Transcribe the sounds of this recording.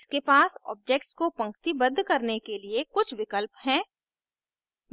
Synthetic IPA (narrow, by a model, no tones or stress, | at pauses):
skepaːsɔ̰ːb̚d͡ʒeːk̚ʈskopɐ̃ŋkt̪ibɐd̪ʱːkɐɾnekeliekʊt͡ʃʰʋɪkəlpɦɛ̃ː | m